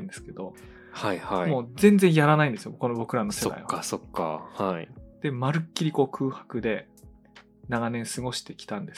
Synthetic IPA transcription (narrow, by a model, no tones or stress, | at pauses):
ɯ̃nd̪e̞sɨ̥ke̞d̪o̞ | haihamoːzẽ̞nzẽjaɾanaĩnd̪esɨjoko̞no̞bo̞kɯ̟ɾano̞seda̰ḭβaasokːa̰haid̪̥e̞maɾɯ̟kʲːiɾʲiko̞ːkʰɯ̟ːhḁkɯ̟d̪e̞ | naɡanẽ̞ɰ̃sɨɡo̞ɕi̥t̪e̞kʲi̥t̪ãnd̪e̞s